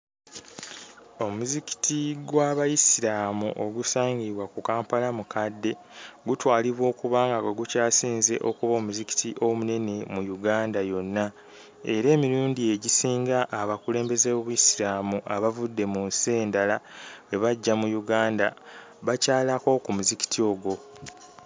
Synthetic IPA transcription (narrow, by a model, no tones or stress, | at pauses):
o̞muziki̥tʰiɡwaβajisiɾaːmṵʔo̞ɡusaːɲɡiβwakukaːmpalamukʰadːe̞ | ɡutwaːliβwo̞ːkuβaːŋɡakweɡucaːsiːnze̞ʔo̞kuβao̞ːmuziki̥tiʔo̞mune̞ne̞mujuɡaːndajo̞nːa | e̞ɾe̞ːmiɾuːndie̞ɟisiːŋɡaʔːβakule̞ːmbe̞zeβoβujisiɾaːmuʔaβavudːe̞munse̞ːndalaweβaɟːamujuɡaːnda | βacaːlako̞kumuziki̥tʰio̞ɡo̞